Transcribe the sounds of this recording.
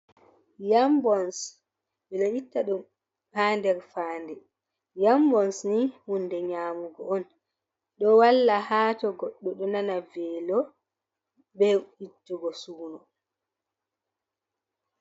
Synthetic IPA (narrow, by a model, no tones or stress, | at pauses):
jambɔns | ɓɛlaitːaɗɔm | haːndɛɾfaːndɛ | jambɔnsnihundɛɲaːmuɡɔɔn | ɗɔwalːahaːtɔɡɔɗːɔɗɔnanavɛlɔ | bɛitːuɡɔsuːnɔ